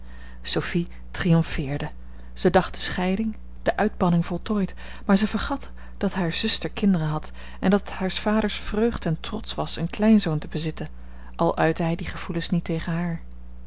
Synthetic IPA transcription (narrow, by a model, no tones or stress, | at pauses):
sofi | trijɔmfɪːɹdə | z̥ədɑχ̚d̥əsχɛjdɪŋ | d̥əʔœɥdbɑnɪŋvɔlˠtɔːjt | maːɹzəvəɹχɑt | d̥ɑtɦaːɹz̥ʏstəɹkɪndərəɦɑt | ʔɛndɑthaːɹsfaːdəɹsfrøɥχtɛntrɔtsʋɑsənklɛjnzowntəbəzɪtən | ʔɑlˠʔœɥtəɦɛjdiχəv̥ulənsnitejχənɦaːɹ